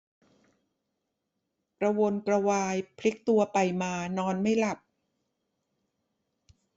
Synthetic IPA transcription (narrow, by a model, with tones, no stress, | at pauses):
kɾa˧wo˧nkɾa˧waː˧jpʰli˦˥k̚t̪u˧ɐpa˧˩jmaː˧nɔː˧nma˥˩jla˨˩p̚